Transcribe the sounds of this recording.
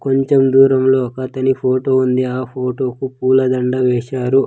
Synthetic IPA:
ko̞ɲt͡ʃemd̪uːɾɐmlo̞ːkɐt̪ɐnipʰoːʈoːund̪iaːpʰoːʈo̞ːkupuːlɐd̪ɐɳɖɐʋɛːʃaːɾu

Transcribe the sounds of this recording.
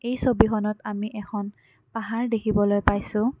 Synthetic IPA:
ejsobixɔnɔtamiʔɛkʰɔn | paɦaɹdekʰibɔlojpajsʊ̃

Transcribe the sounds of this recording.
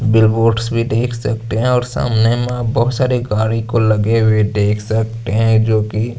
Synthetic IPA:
bɪlboːʈsbʱid̪eːkʰsɐk̚t̪eɦɛ̃ɔːɾsa̰ːmnemẽbɐɦʊt̪saːɾeɡaːɾikolɐɡewed̪eːkʰsɐk̚t̪eɦɛ̃d͡ʒoːki

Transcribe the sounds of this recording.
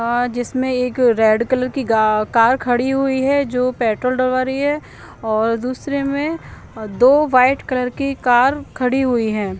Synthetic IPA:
d͡ʒɪsmẽeːkɾɛːɖkɐləɾkiɡakaːɾkʰɐɽiɦʊiɦɛd͡ʒoːpɛːʈɾəlɖəlʋaːɾəiɦɛ | ɔːɾd̪uːsɾemẽ | d̪oːʋaːɪʈkɐləɾkikaːɾkʰɐɽiɦʊiɦɛ̃ː

